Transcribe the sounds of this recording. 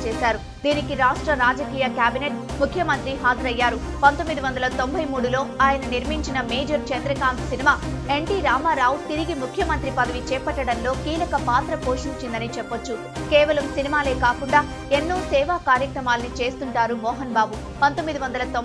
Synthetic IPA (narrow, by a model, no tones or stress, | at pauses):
t͡ʃɛːsaːɾu | d̪iːnikiɾaːʂʈɾɐɾaːd͡ʒɐkiːjɐkjaːbineʈ̚ | mukʰjɐmɐnt̪ɾiɦaːd͡ʒ̪ɐɾɐjːaːɾu | pɐnt̪omːid̪iʋɐnd̪ɐlɐt̪o̞mbʱɐjmuːɽulo̞ːaːjɐnɐniɾmiɲt͡ʃinɐmeːd͡ʒɐɾt͡ʃɐnd̪ɾɐkaːmpsinimaː | e̞ɳʈiːɾaːmaːɾaːwut̪iɾiɡimukʰjɐmɐnt̪ɾipɐd̪ɐʋit͡ʃɛːpɐʈːɐɽɐnlo̞ːkiːlɐkɐpaːt̪ɾɐpo̞ːʂiɲt͡ʃind̪ɐnit͡ʃɛpːot͡ʃːu | kɛːʋɐlɐmsinimaːle̞ːkaːkuɳɖaː | enːoːsɛːʋaːkaːɾjɐkɾɐmaːlɐnit͡ʃe̞ːst̪uɳʈaːɾumɔːɦɐnbaːbu | pɐnt̪omːid̪iʋɐnd̪ɐlɐt̪o